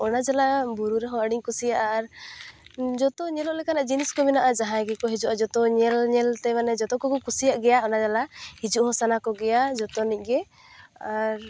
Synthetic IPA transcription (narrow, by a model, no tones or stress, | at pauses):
ɔnad͡ʒalabuɾuɾɛɦɔ̃əɽiɲkusijaʔaɾ | d͡ʒɔt̪ɔɲɛlɔʔlɛkanaʔd͡ʒiniskɔminaʔad͡ʒaɦãɛɡɛkɔɦid͡ʒuʔad͡ʒɔt̪ɔɲɛlɲɛlt̪ɛmanɛd͡ʒɔt̪ɔkɔkɔkusijaʔɡɛjaɔnad͡ʒalahid͡ʒuʔhɔsanakɔɡɛjad͡ʒɔt̪ɔnic̚ˀɡɛ | aɾ